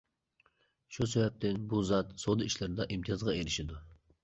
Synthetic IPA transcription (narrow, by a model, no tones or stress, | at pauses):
ʃusɛvæp̚t̪ʰɪnbuzɑt̪sod̪ɨiʃlɪɾɪd̪ɑʔimt̪ʰijɑzʁɑeɾɪʃid̪u